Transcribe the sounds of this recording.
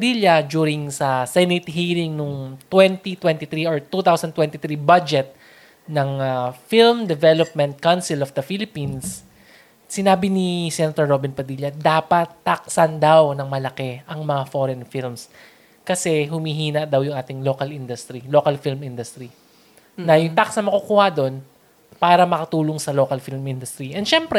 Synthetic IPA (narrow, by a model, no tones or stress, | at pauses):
d̪iljɐd͡ʒuːɾɪŋsɐsɛɪnit̪ɦiːɾɪŋnʊŋt̪wɛnt̪it̪wɛnt̪ɪθɾioɹt̪ut̪awsɐnt̪wɛ̃nt̪ɪt̪ɾibad͡ʒɛt̪̚ | nɐŋafilmd̪ɛvɛlop̚mɛnt̪̚kansɪlɔfd̪ɐfilɪpinsː | ɪnaːbɪnisɛnɐt̪oɹːobɪnpɐd̪iljɐd̪aːpɐt̪ːɐk̚sɐnd̪awnɐŋmɐlɐkɛʔɐŋmɐŋafoɾɛnfilms | kɐsɛɦʊmiɦiːnɐʔd̪ɐwjʊŋʔaːt̪ɪŋloːkɐlʔind̪ʊst̪ɾiloːkɐlfilmind̪ʊst̪ɾi | nɐjʊŋt̪aksɐnmɐkukuːhɐd̪o̞n | paːɾɐmɐkɐt̪uːloŋsɐlo̞ːkɐlfilmind̪ʊst̪ɾiʔɛnd̪ʃɛmpɾɛ